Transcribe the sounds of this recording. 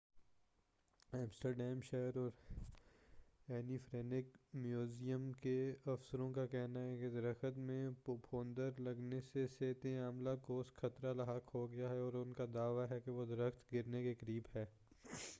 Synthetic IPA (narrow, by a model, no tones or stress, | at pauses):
ɛ̃ːmsʈəɾɖɛːmʃeɦəɾɔːɾ | ɛːnifɾɛːnɪkmjuːzijəmkeɐfsəɾõkakɛɦnaɦɛked̪ɐɾəxət̪mẽpopʰoːnd̪əɾlɐɡneseseːt̪eaːmlakoːsxʰɐt̪ɾalɐɦaːkɦoɡɪjaɦɛɔːɾʊnkad̪aːʋaɦɛkeʋod̪ɐɾəxt̪ɡɪɾnekekəɾiːbɦɛː